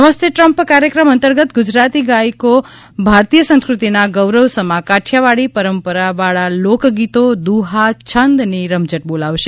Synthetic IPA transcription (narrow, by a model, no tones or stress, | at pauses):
əməst̪ʰjeʈɾəmpkaɾjəkɾəmənt̪əɾɡət̪ɡʊd͡ʒɾat̪iɡaiko | bʱaɾt̪ijəsə̃ñskɾut̪inaɡəʋɾəʋsəmakaʈʰjaʋaɽipəɾəmpəɾaʋaɭalokɡit̪od̪uɦat͡ʃʰənd̪niɾəmd͡ʒəʈ̚bolaʋʃe